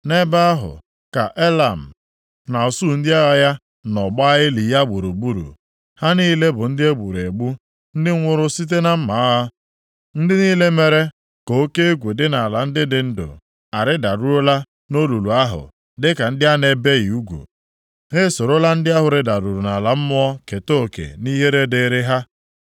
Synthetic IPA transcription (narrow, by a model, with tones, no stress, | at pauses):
ne˦ba˦a˦ɦʊ̰˨ | ka˨ʔe˦la˨m̩˨ | na˨ɔ˨su˦˨n̩˦dɪ˦a˦ɣa˨ja˦ | nɔ˨ɡ͡ba˦ɣɪ˦li˨ja˦ɡ͡bu˨ɾu˨ɡ͡bu˦ɾṵ˨ | ha˦niː˦le˦bʊ˨n̩˦dɪ˦e˦ɡ͡bu˨ɾe˨ɡ͡bu˦ | n̩˦dɪ˦ŋ̩ʷ˦ʊ˦ɾʊ˦si˦t̬e˦na˦m̩˦ma˨˦ɦa˦ | n̩˦dɪ˦niː˦le˦me˨ɾe˦ | ko˨o˦ke˦e˦ɡʷe˨dɪ˦na˨la˨n̩˦dɪ˦dɪ˨˦n̩˦dʊ̰˨ | a˨ɾɪ˦da˨ɾu˦ɾo˦la˦ | no˦lu˨lu˨a˦ɦʊ̰˨ | dɪ˦ka˨n̩˦dɪ˦a˦ne˦be˦ɣi˨u˦ɡʷṵ˨ | ɦe˦so˨ɾo˦la˦n̩˦dɪ˦a˦ɦʊ˨ɾɪ˦da˨ɾu˨ɾu˨na˨la˨m̩˦mʊ˦ɔ˦ke˨to˦˨kḛ˨ni˦ɦe˦ɾe˦de˨˦ɾɪ˦ɦa˦